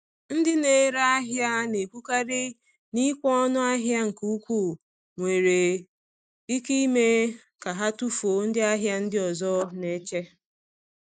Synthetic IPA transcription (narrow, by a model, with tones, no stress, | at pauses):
n̩˦dɪ˦ne˨˦ɾa˦a˦ɦja˦ne˨ku˦ka˦ɾɪ˦ | ni˦kʷɔ˦nʊ˦a˦ɦja˦ŋ̩˨ku˦u˦kʷu˦˨ | ŋʷe˨ɾe˨ | i˦ki˦me˦ | ka˨ɦa˦tu˦fo˨˦n̩˦dɪ˦a˦ɦja˦n̩˦dɪ˦ɔ˨zɔ˦ne˦t͡ʃe˦